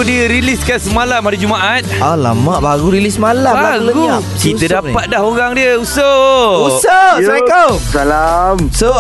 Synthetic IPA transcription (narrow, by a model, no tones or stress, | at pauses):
diəɾiliskansəmalampadad͡ʒumaʔat̪̚ala̰maʔbaɾuɾilismalamaəɡu | kiədapat̪̚dahoɾaŋdiəusəusasajkasalamso